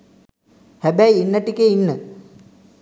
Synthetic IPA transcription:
hæbæiinːəʈikeinːə

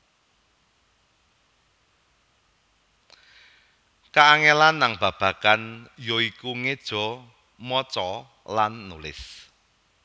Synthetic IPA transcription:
kaːŋelanːaŋb̥ä̤b̥a̤kanjoikuŋed̥ʒ̥ɔ̤ | mɔt͡ʃɔ | lanːulɪ̰s

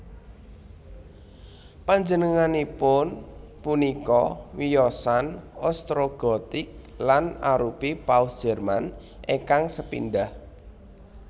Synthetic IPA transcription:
paɲd͡ʒənəŋanipʊnpunikɔwijɔsanɔst̪ɾoɡ̥ɔt̪ɪk̚ | lanaɾupipaud̥ʒ̥ɛrman | ʔeŋkaŋsəpḭnɖah

